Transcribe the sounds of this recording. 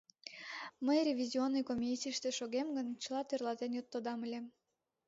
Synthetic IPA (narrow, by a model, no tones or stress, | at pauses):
məjrʲevʲizʲionːɨjkomʲisʲijʃt̪eʃoɣemɡənt͡ɕəlˠɑt̪ørlɑt̪enjot̪ːod̪ɑməlʲe